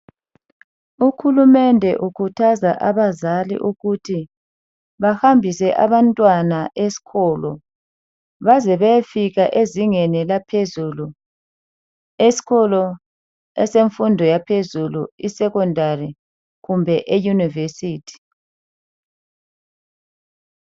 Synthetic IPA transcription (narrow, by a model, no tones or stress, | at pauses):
uxulumɛndʱɛʔukʰutʰazaʔaβazalḭʔuɣutʰi | βahambʱisɛʔa̰βantʼwanaʔesi̥kʰɔlɔ | βazɛβɛfiɣaʔeziŋenilapʰezulu | esi̥ɣɔlɔ | ɛseɱfundʱɔjapʰezuluisɛkɔndʱari | ɣumbʱɛʔejunivesiːtʰi̥